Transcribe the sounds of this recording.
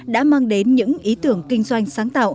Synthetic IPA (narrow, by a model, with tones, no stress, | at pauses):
ɗa̰ː˧˥ma˧ŋɗe˨˦nɲɨ̰˧˥ŋʔi˨˦t̪ɨ˧˩əŋkï˧ŋ̟zwa˧jŋ̟saː˨˦ŋt̪a̰ː˧˨wʔ